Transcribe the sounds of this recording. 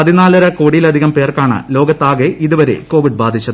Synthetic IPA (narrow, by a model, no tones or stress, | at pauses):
ɐðinaːlɐɾɐko̞ːɽijilɐd̪ʱiɣɐmpe̞ːrkaːɳɨ̰lo̞ːɡɐt̪ːaːɡeʔiðuʋɐɾe̞̰ko̞ːʋiɖbaːd̪ʱit͡ɕːɐðɨ